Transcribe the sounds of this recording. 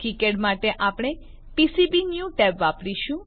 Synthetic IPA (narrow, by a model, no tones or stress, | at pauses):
ʈikeʈmaʈeʔapɽ̃e | pisibinjũʈɛpʋapɽiʃũ